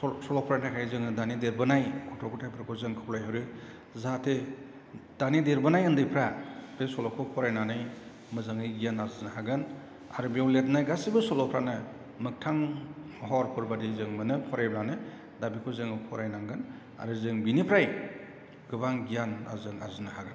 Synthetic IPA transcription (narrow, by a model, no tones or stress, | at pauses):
sɔlɔpʰɾanʰajkʰajzɯŋɯdanideɾbɯnajkʰɔtʰɔkʰɔtʰajpʰɾakʰɔzɯŋkʰɯwlajɦɯwɾɯ | zatʰe | d̥anideɾbɯnajɯndɯjpʰɾabesɔlɔkʰɔpʰɔɾajnanɯj | mɯzaŋɯjɡijanazɯnhaɡɯn | a̰ɾɯbiawlet̚najɡasibɯsɔlɔpʰɾanɯ | mɯk̚tʰaŋ | ɦɔɾpʰɯɾbadizɯŋmɯnɯpʰɔɾajblanɯ | dabikʰɔzɯŋɯpʰɔɾajnaŋɡɯn | a̰ɾɯzɯŋbinipʰɾaj | ɡ̥ɯβaŋɡijana̰zɯŋa̰zɯnɯhaɡɯn